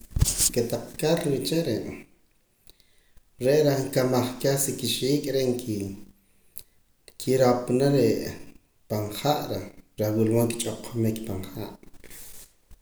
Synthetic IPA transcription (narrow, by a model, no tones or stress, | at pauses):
ket̪aq͡χkalɾit͡ʃeɾeʔ | ɾeʔɾaŋkamaχkaχsikiʃiːkʼɾeʔŋk | kʰiɾapnaɾe | paɴχaʔɾaɾawilwoːŋkit͡ʃʼoqʰmikpaɴχa̰ːʔ